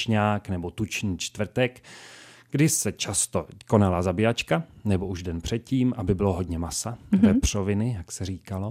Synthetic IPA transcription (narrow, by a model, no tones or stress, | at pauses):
ɲaːknɛbot̪ut͡ʃɲiːt͡ʃt̪vr̩t̪ɛk | ɡ̥dɪsɛt͡ʃast̪oko̞nalazabɪjat͡ʃkanɛbo̞ʔuʒdɛnpr̥ɛt̪̚ciːmʔabɪbɪloɦo̞dɲɛmasavɛpr̝̥ovɪnɪjaksɛriːkalo̞